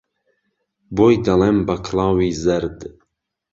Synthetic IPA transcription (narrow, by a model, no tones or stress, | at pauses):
bojd̪ɐlembɐkʰlɑːwiːzɛɾd̪